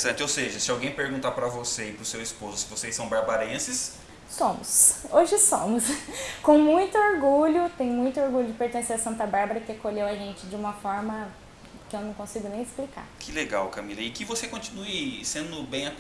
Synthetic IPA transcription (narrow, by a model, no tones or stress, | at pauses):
sɐ̃nt͡ʃɪowseʒɐsɪawɡẽj̃peɾɡũt̪aɾpɾɐvoseɪpɾʊsewispozʊsɪvosejsːɐ̃w̃baɾbaɾẽsɪs | sõmʊsoʒɪsõmʊskõw̃mũj̃t̪ʊoɾɡuʎʊt̪ẽj̃mũj̃t̪ʊoɾɡuʎʊd͡ʒɪpeɾt̪ẽseɾɐsɐ̃nt̪ɐbaɾbɐɾɐkɪekoʎewɐʒẽnt͡ʃɪd͡ʒɪũmɐfɔɾmɐ | kɪewnɐ̃w̃kõsiɡʊnẽj̃ɪsplika̰ɾkʰɪleɡa̰wkɐmilɐɪkɪvosekõnt͡ʃi̥nuɪsẽnd̪ʊbẽj̃ɐ